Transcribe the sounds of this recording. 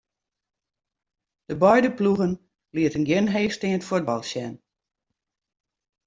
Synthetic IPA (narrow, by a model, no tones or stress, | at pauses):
d̥əbɔjdəpluɣən | liətənɡjɪnɦejstɪŋətfwod̚bɑlˠsjɛn